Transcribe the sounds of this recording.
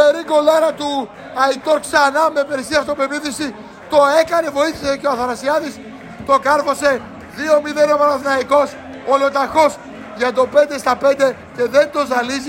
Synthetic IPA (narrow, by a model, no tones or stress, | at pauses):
pe̞ɾiko̞lɐɾɐt̪u | ɐit̪oɾksɐnɐme̞pe̞ɾisiɐft̪opeviθisi | t̪o̞e̞kɐne̞vo̞iθiseceoɐθɐnɐsiɐðis | t̪o̞kɐɾfo̞se̞ | ðio̞miðe̞nopɐnɐθnɐiko̞s | olo̞t̪ɐxo̞s | ʝɐt̪̬o̞pend̪e̞st̪ɐpe̞nd̪e̞ | ce̞ðe̞nd̪o̞zɐlizi